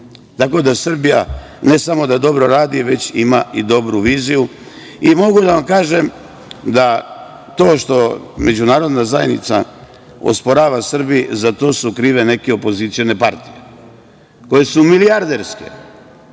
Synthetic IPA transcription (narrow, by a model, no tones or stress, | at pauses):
t̪ako̞d̪asr̩bija̰ | ne̞samo̞d̪ad̪o̞bɾoɾaːd̪iʋe̞t͡ɕimaid̪o̞bɾuʋiːziju | imo̞ɡud̪aʋamkaːʒe̞m | d̪a | t̪o̞ːʃt̪o̞me̞d͡ʑunaːɾo̞d̪nazajenḭt̪sa̰ | o̰spo̞ɾaːʋasr̩bizat̪o̞ːsukɾiːʋe̞ne̞keo̞po̞zit̪sijone̞paɾt̪ije | ko̞je̞sumiliaɾd̪eɾske̞̰